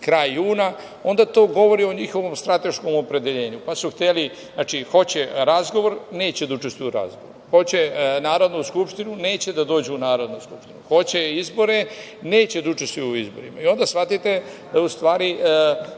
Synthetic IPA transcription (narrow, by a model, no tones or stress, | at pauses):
kɾaːjuːna | o̞nd̪at̪o̞ːɡo̞ʋo̞ɾio̞ɲixo̞ʋo̞mst̪ɾat̪e̞ʃko̞mo̞pɾe̞d̪eʎe̞ːɲupasuxt̪eli | naːt͡ʃixo̞t͡ɕeɾazɡo̞ʋo̞ɾne̞ːt͡ɕed̪aut͡ʃest̪ijuɾa̰zɡo̰ʋoɾxo̞t͡ɕenaːɾo̞d̪nuskupʃt̪inune̞ːt͡ɕe̞d̪ad̪o̞ːd͡ʑeunaːɾo̞d̪nuskupʃt̪inuxo̞t͡ɕeizbo̞ɾe̞ne̞ːt͡ɕed̪aut͡ʃest̪ujuizbo̞̰ɾimaio̞nd̪asʋat̪it̪e̞d̪̥aust̪ʋaːɾi